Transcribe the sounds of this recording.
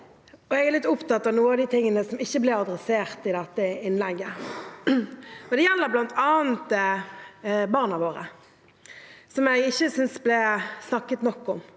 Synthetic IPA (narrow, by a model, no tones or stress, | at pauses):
ɔɛɡæʁlɪt̪ːʊpt̪ɑt̪ːɑʋnuːəɑʋd̪it̪ʰɪŋːənəsɔmɪçːəblɛɑd̪ʁɛseːʁt̪ɪd̪ɛt̪ːəɪnlɛɡːə | ɔd̪ɛjɛlːəblɑnt̪ʰɑːnt̪ | bɑʁnɑʋoːʁə̰ | sɔmɛɡɪçːəsʏnsblɛsnɑkːət̪nɔkːɔm